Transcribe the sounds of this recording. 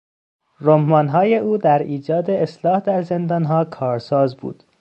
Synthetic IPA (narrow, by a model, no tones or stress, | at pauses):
romːɒːnɦɒːje̞ʔuːd̪æɾiːd͡ʒɒːd̪eeslɒːhd̪æɾzend̪ɒːnɦɒːkʰɒːɾsɒːzbṵːd̪̥